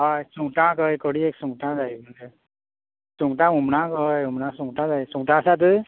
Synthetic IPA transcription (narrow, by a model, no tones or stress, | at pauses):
ajsuŋtãkɯjkɔɽiek̚suŋtãzajbɯndɯ | suŋtaumnakɯjumnasuŋtazajsuŋtasat̬ɯ